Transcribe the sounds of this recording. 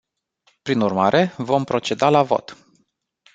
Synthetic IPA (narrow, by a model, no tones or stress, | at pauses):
pɾinurmaɾʔe̞vo̞mpɾo̞t͡ʃe̞d̪alavo̞̰t̪